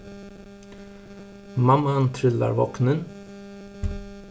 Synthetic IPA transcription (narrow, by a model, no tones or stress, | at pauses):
mamːant̪ʰɾʏlːa̰ɾvɑːknən